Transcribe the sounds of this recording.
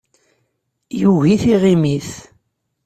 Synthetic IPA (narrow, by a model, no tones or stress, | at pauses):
juɣiθiʁimiθ